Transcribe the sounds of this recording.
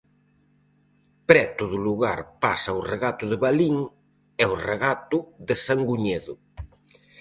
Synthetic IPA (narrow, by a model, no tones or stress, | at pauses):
pɾɛt̪oðʊluɣaɾpasaʊreɣat̪ʊðeβaliŋ | ɛoreɣat̪ʊðesaŋɡuɲeðʊ